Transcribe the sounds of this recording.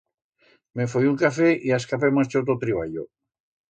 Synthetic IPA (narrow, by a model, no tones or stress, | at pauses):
mefojuŋkafeʔiaskapemast͡ʃot̪ot̪ɾiβ̞a̰ʎo̰